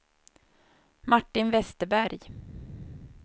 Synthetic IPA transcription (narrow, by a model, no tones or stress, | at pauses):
maʈːɪnvɛst̪əbæɾj